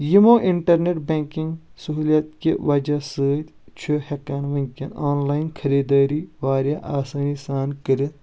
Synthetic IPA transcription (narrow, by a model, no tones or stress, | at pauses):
jimoːʔiɳʈɐɾneʈbeːŋkĩŋɡsɐɦuːljɐt̪̚keʋɐd͡ʒɐsəːt̪ʲ | t͡ʃʰehekanʋiŋʲkʲɐnoːnlaːinkʰɐɾiːd̪aːɾiːʋaːɾjaʔaːsaːnisaːnkəɾit̪